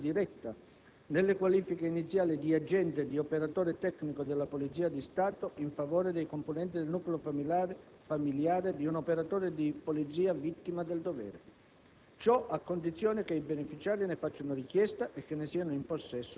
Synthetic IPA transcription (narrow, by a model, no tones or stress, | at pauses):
d̪iɾɛt̪ːa | nelːekwaliːfikeinit̪sːjaːlid̪iad͡ʒɛnt̪ed̪iopeɾat̪oːɾet̪ɛkːnikod̪elːapolit̪ziːad̪ist̪aːt̪oiɱfavoːɾed̪ejkomponɛnt̪id̪elnuːkleofa | familjaːɾed̪iunopeɾat̪oːɾed̪ipolid̪ziːavit̪ːimad̪eld̪ovɛ̰ːɾe | t͡ʃɔʔakːond̪it̪sːjoːnekeibenefit͡ʃaːɾinefat͡ʃːanoɾikjɛst̪aʔekːenːesiːanoimposːɛsːo